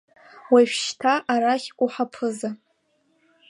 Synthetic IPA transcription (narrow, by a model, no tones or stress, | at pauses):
waʃʷᶣʃtʰaʔaɾaχʲʷʼuħapʰɨza